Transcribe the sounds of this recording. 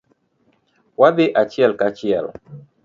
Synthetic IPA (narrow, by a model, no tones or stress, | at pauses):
waðɪʔat͡ʃjɛlkat͡ʃɪɛ̰l